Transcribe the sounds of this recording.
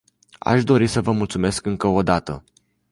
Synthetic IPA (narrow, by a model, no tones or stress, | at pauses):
a̰ʃd̪o̞ɾisəvəmult̪sume̞skɨŋkəod̪at̪ə̰